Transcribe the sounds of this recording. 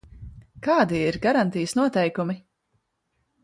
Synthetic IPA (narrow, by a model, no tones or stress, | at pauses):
kaːd̪iiɾɡaɾant̪ijsnuɔt̪ɛjkumi